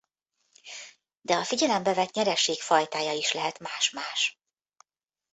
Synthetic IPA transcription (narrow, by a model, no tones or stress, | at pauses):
d̪ɛɒfiɟɛlɛmbɛvɛt̪ɲɛɾɛʃeːkfɒjt̪aːjɒiʃlɛɦɛt̪maːʃmaːʃ